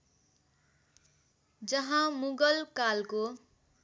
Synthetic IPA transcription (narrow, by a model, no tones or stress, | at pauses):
d͡zʌɦãmuɡʌlkalko